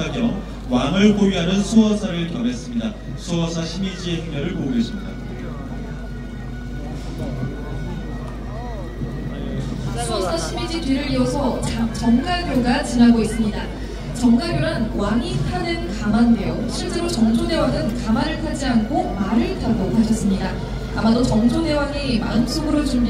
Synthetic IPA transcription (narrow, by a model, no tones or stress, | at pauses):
aɡjʌŋ | waŋɯɭkoɥiɦanɯnsʰuʌsʰaɾɯɭkjʌmes͈ɯmɲida | sʰuʌsʰaɕʰimid͡ʑieʌŋmʌɾɯɭpoɡesʰimɲida | sʰuʌsʰaɕʰimid͡ʑitiɾɯɾiʌsʰʌt͡ɕt͡ɕʌŋɡaɡjoɡat͡ɕinaɡois͈ɯmɲida | t͡ɕʌŋɡaɡjoɾanwaŋipʰanɯnkamandejoɕʰiɭt͡ɕ͈e̞ɾot͡ɕʌŋd͡ʑone̞waɡɯnkamaɾɯɭkʰad͡ʑiankʰomaɾɯɭtaɡokat͡ɕʰʌs͈ɯmɲida | amadot͡ɕʌŋd͡ʑode̞waɡima̰ɯnsʰoɡɯɾot͡ɕu